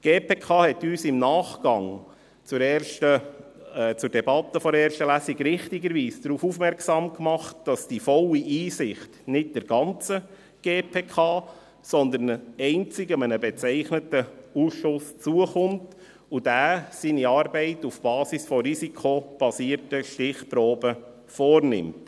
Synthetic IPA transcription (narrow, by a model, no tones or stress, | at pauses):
ɡ̥eːpeːkʰɑːhɛtyːsɪmnɑːχɡ̥ɑŋ | t͡sʊɾɛʃtə | t͡sʊɾd̥ɛbɑtːəfɔɾɛːɾʃtəlæsiɡɾɪχtiɡəɾʋiːsd̥̪ɾuːfufmɛɾksɑmkmɑχt̚d̥ɑsd̥ifɔlːiʔiːsɪχtnɪt̚d̥əɾɡɑnt͡sə | ɡ̥eːpʰeːkʰɑː | sɔnd̪ənɛɪnt͡sɪɡəmənəbɛt͡sɛɪχnətəusʃʊst͡suəχʊmt | ud̥æːsiniɑːrbɛɪtufb̥ɑːsisfɔɾisikʰob̥ɑsiːəɾtəʃtɪχpɾoːbə | fɔːrnɪ̰mt